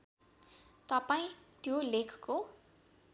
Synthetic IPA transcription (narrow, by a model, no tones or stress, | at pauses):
t̪ʌpaĩt̪jolekʰko